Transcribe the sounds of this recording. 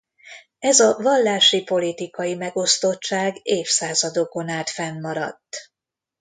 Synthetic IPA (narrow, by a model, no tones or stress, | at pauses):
ɛzɒvɒlːaːʃipo̞lit̪ikɒjimɛɡo̞st̪o̞tt͡ʃːaːɡeːfsaːzɒd̪o̞ko̞naːt̪fɛnːɒɾɒ̰t̪ː